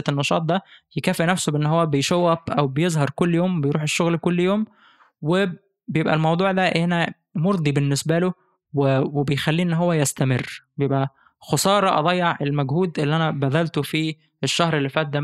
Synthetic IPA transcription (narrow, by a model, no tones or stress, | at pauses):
æenːɑʃɑ̰ːt̪̚ˤd̪æjekæːfinæfsobeʔenːɦowːæbejʃæwːæfʔæwbejezˤhɑɾˤkolːjoːmbejɾuːħeʃːoɣlkolːjoːm | we | bejebʔælmɑwd̪ˤuːʕd̪æʔʔænæ | moɾˤd̪ˤibenːesbælo | wewebejxælːiːʔenːɦowːæjæst̪æmerːbejebʔæ | xosˤɑːɾˤɑʔɑ̰d̪ˤɑjːeʕʔelmæɡhuːd̪ʔelːiʔænæbæd̪ælt̪ofi | eʃːæhɾelːifæːt̪̚d̪æ